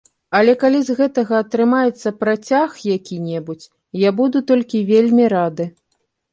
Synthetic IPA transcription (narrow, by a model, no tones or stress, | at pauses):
ɐlʲɛkalʲizɣɛt̪ɐɣɐːt̪ɾɨmajɛt̪sːɐpɾat͡sʲaxjakʲinʲɛbut͡sʲ | jabud̪ut̪ɔlʲkʲivʲelʲmʲiɾad̪ɨ